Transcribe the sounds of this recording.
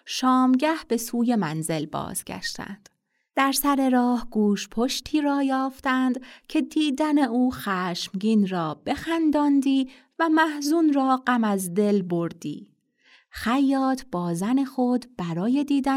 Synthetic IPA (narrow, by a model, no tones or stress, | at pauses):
ʃɒːmɟæhb̥e̞suːje̞mænze̞lbɒ̰ːz̥ɡæ̰ʃt̪æ̰nd̪̥ | d̪̥æɾsæɾe̞ɾɒːhɡuːʃpʰo̞ʃt̪ʰiːɾɒːjɒːft̪ænd̪cʰe̞d̪iːd̪æne̞uːxæːʃmɟiːnrɒːb̥e̞xænd̪ɒːnd̪iː | væmæhzunrɒːɢæmæzd̪e̞lbo̞ɾd̪̥ḭː | xæjːɒːt̪ʰb̥ɒːzæne̞xo̞d̪b̥æɾɒːje̞d̪iːd̪æ